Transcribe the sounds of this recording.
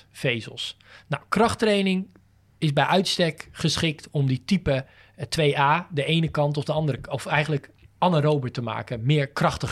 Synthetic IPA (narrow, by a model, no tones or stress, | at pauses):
fejzə̰lˠs | na̰wkrɑχtrejnɪŋ | ɪzbɛjʔœɥtstɛkχəsχɪk̚tɔmditipə | tʋejaːdəʔejnəkɑntɔfdəɑndəɾəɔfɛjχən̩lək | ʔɑnəɾowbətəma̰ːkəmɪːɹkrɑχtəχ